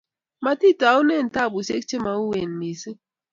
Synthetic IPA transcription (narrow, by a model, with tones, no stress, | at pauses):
ma˨ti˦˨ta˨˦u˦ne˦˨n̩˨ta˦˨bu˨se˦k̚t͡ʃe˦ma˨u˦we˨n̩˨mi˨si˦